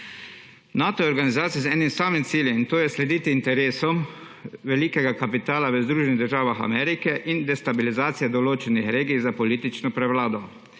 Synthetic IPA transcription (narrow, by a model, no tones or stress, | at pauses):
naːt̪ɔjɛɔɾɡanizaːt̪sijɛzɛːnimsaːmimt̪siːljɛint̪oːjɛslɛd̪iːt̪iːnt̪ɛɾeːsɔm | ʋɛliːkɛɡakapit̪aːlaʋəzd̪ɾuːʒɛniɣd̪əɾʒaːʋaxa̰mɛːɾikɛʔind̪ɛst̪abilizaːt̪sijɛd̪ɔloːt͡ʃɛnixɾeːɡijzapɔliːt̪it͡ʃnɔpɾɛʋlaːd̪ɔ